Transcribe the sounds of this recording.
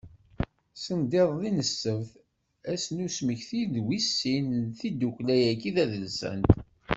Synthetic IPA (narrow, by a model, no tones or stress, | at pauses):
sənd̪iðˤðinəsːəvθ | æsnusməçθiðwisːinθid̪uklæjækiðæðəlsə̰nt̪